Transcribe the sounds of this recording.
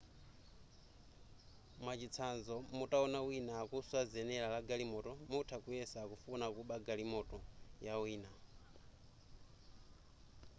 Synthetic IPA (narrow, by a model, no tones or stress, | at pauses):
mwat͡ʃit͡sʰanzɔmutaɔnawinaːkuswazɛnɛlalaɡalimɔtɔmutʰakujɛsakufunakuɓaɡalimɔtʼɔjawiːna